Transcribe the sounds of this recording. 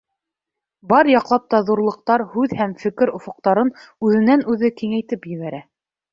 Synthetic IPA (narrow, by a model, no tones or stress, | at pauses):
bɑɾjɑqlˠɑp̚t̪ɑðuɾlˠɤ̆q̚t̪ɑɾhʉðhæmfɘ̆kɘɾŏfŏq̚t̪ɑɾɤnʉðɘ̆nænʉðɘkiŋæjt̪ɘpjɘ̆βæɾæ